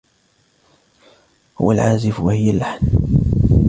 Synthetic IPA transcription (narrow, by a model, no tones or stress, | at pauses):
hʊ̰wa̰lʕaːzɪfwahɪjːalːaħn